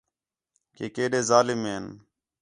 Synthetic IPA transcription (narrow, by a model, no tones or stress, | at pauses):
keːkeːɗeːzaːlɪmeːn